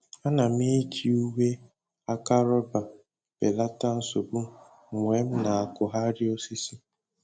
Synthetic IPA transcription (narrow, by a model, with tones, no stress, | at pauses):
a˦na˨mi˦kʰi˨u˦we˦ | a˦ka˦ɾɔ˦ba˨ | be˨la˦ta˦n̩˦so˨bu˦ | ŋʷ˨e˨˦m̩˦na˨a˨kʊ˨ɦa˦ɾɪ˦o˦si˦si˦